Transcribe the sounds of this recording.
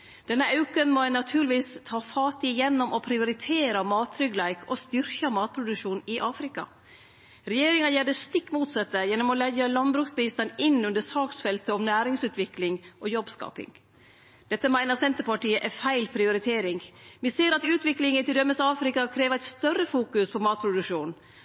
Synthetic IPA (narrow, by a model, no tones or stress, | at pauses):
d̪̥ɛnːəʔɑʉkənmɔnɑt̪ʰʉːlɪʋiːst̪ʰɑːfɑːt̪ɪjɛnːɔmʔɔpʰɾɪʊɾɪt̪ʰeːɾəmɑːt̪ʰɾʏɡlæɪkʰɔst̪ʏɾkɑmɑːt̪̚pʰɾʊd̪ʉkʂuːnɪʔɑːfɾɪkɑ̰ | ɾɛjeːɾɪŋɑjæːɖəst̪ɪkːmuːt̪sɑt̪ːəjɛnːɔmɔlɛɡəlɑnbɾʉːksbɪst̪ənɪnːʉnd̪əsɑːksfɛlt̪əɔmnæːɾɪŋsʉːt̪ʋɪklɪŋʔɔjɔbskɑ̰ːpɪ̰ŋ | d̪̥ɛt̪ːəmæɪnəɾsɛnt̪əɾpɑʈiːəʔæfæɪlpʰɾɪʊɾɪt̪ʰeːɾɪŋʋɪseːɾɑt̪ʉːt̪ʋɪklɪŋənt̪ɪld̪œmːəsɑːfɾɪkɑkʰɾeːʋəæɪt̪st̪œrːəfuːkʉspʰɔmɑːt̪̚pʰɾʊd̪ʉkʂuːn